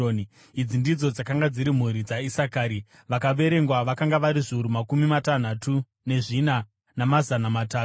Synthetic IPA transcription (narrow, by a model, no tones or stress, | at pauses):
ni | id͡zindid͡zod͡zakaŋɡad͡ziɾim̤uɾid͡zaisakaːɾi | ʋakaʋe̞ɾe̞ŋɡwaʋakaŋɡaʋaɾiʐiuɾumakumimatan̤atu | ne̞ʐina | namazanamataːu